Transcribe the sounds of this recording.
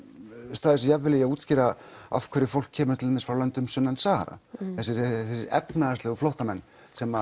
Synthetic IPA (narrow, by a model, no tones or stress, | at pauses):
st̪aːðɪsjavːɪlɛjauːt̪scɪːɾa | a̰fkʰvɛɾɪfowl̥kʰːɛːmʏɾt̪ʰɪlmɪsfɾawlœnt̪ʏmsʏnːansaha̰ɾa̰θɛsɪɾɛsɪɾɛ̰pnaast̪lɛɣʏfloht̪amɛnː | sɛma